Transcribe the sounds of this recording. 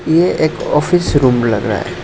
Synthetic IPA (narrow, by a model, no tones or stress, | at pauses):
jeeːkɔːfʰɪsɾũːmlɐɡɾa̰ːɦɛ̰